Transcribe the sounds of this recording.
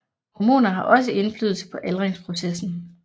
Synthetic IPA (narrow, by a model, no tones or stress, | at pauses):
hɒmo̝̰ːnɐɦɑ̈ʔɒ̽s̬əe̝nfly̰ːð̞ˠlˠsə̥pʰɒ̽ʔælʁeŋspʰʁo̝sesn̩